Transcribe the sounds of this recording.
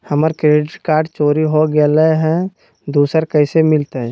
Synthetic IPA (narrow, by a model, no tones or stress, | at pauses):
həməɾkɾeɖɪʈkaːɾɖt͡ʃoːɾiɦoɡelɦɛ̃ | d̪uːsəɾkəɪsemɪlt̪eɦɛ̃